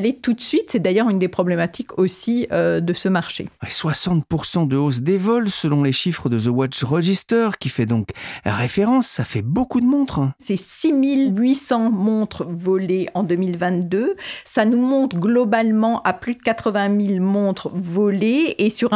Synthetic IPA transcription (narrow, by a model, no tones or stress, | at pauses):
let̪ut̪sɥit̪sɛd̪ajœʁynd̪epχɔblɛmat̪ikosiød̪əsəmaʁʃḛeswasɑ̃t̪puʁsɑ̃d̪əos̬d̪evɔlsəlɔ̃leʃifχəd̪əzəwat͡ʃʁəʒist̪œʁkʲifɛd̪ɔ̃kʁefeʁɑ̃sːafɛbokud̪əmɔ̃t̪χsɛsimilɥisɑ̃mɔ̃t̪χvɔleɑ̃d̪ømilvɛ̃t̪d̪øsanumɔ̃t̪χəɡlɔbalmɑ̃ʔaplyd̪əkat̪χəvɛ̃milmɔ̃t̪χvɔleesyʁ